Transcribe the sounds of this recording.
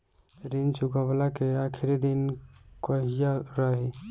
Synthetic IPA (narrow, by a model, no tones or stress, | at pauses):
ɾint͡ʃuɡaʋlakeaːkʰɪɾid̪inkəɦijaɾaɦi